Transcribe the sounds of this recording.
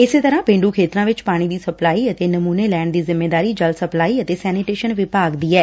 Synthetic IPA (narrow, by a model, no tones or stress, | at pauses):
ɪseːt̪əɾãːpẽːɳɖuːkʰeːt̪ɾãːʋɪt͡ʃpaːɽ̃iːd̪iːsəplaːiːət̪eːnəmuːneːlɛːɳd̪iːzɪmːeːd̪aːɾiːd͡ʒəlsəplaːiːət̪eːsɛːnɪʈeːʃənʋɪpaːɡd̪iːɛː